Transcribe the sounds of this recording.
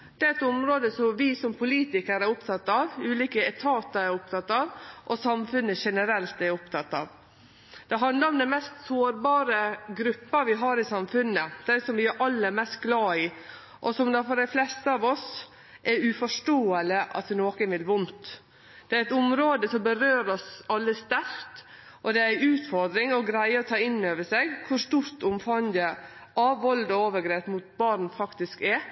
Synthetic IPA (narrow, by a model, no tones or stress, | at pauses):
d̪̥ɛæɾɛt̪ʊmɾoːd̪əsɔmʋɪsɔmpʰʊliːt̪ɪkəɾæɾʊpt̪ʰɑt̪ːɑːʋʉːliːkəɛt̪ʰɑːt̪əɾɛɾʊpt̪ʰɑt̪ːɑːʋʔɔsɑmfʉnːəʃɛnəɾɛlt̪ɛɾʊpt̪ʰɑt̪ːɑ̰ːʋ | d̪̥ɛɦɑnd̪lɑɾɔmd̪ɛnmɛst̪soːɾbɑːɾəɡɾʉpːəʋɪɦɑːɾɪsɑmfʉnːəd̪̥ɛnsɔmʋɪæɾʔɑlːəæmɛst̪̚ɡlɑːɪ | ʔɔsɔmd̪ɛfɔɖæɪflɛst̪əɑːʋɔs | ʔɛɾʉfɔʂʈoːələʔɑ̰t̪ʋɪnoːkənʋɪlʋʊnt̪ | d̪̥ɛæɾɛt̪ʊmɾoːd̪əsɔmbəɾøːɾɔsɑlːəst̪æɾkt̪ | ʔɔd̪ɛæɾʉːt̪fɔɾd̪ɾɪŋɔɡɾæɪəɔt̪ʰɑːɪnːøːʋəʂɛɡkʰʊɾʂt̪uːɾt̪ʊmfɑŋd̪ə | ʔɑʋʋɔld̪ɔoːʋəɡɾeːpmut̪̚bɑɾɳ̩fɑkt̪ɪskɛɾ